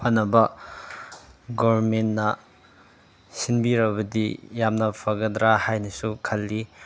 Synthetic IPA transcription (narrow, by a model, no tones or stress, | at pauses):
pʰonːɐbɐ | ɡobɐɾmenːɐ | sinbiɾɐbɐdijamnɐpʰɐɡɐdɾahajnɐsukʰɐlːi